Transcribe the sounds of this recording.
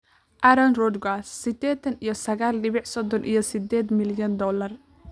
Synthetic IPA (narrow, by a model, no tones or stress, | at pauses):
ʔɐɾɐnrɔd̪ɡasːɪd̪ɛːt̪ʰɐnijɞsɐɣaːlɖɪβɪʕsɔd̪ɔnʔḭjɞsɪd̪ɛːd̪mɪljɐnd̪ɔːlɐr